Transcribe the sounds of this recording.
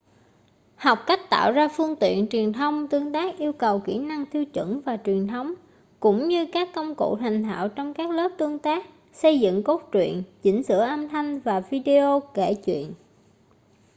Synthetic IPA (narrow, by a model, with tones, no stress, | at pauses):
ha˨˩wk͡p̚ka˦˥jk̟̚t̪a̰ː˧˨wzaː˧fɨ˧əŋt̪ḭ˧˨ənt͡ɕwi˨˩ənt̪ʰə˧wŋ͡mt̪ɨ˧əŋt̪aː˦˥k̚ʔi˧əwkə˨˩wkḭ˧˥na˧ŋt̪ʰi˧əwt͡ɕwɨ̰˧˩˥ŋvaː˨˩t͡ɕwi˨˩ənt̪ʰə˨˦wŋ͡m | kʊ̰˧˥ŋ͡mɲɨ˧kaː˦˥kːə˧wŋ͡mko̰˧˨t̪ʰa˨˩jŋ̟t̪ʰa̰ː˧˨wt͡ɕɔ˧wŋ͡mkaː˦˥k̚lə˦˥p̚t̪ɨ˧əŋt̪aː˦˥k̚ | sə˧jzɨ̰˧˨ŋko˦˥t̚t͡ɕwḭ˧˨ənt͡ɕï˧˥ŋ̟sɨ̰˧˩əʔaː˧mt̪ʰa˧jŋ̟vaː˨˩vi˧ɗi˧ʔo˧kḛ˧˩t͡ɕwḭ˧˨ən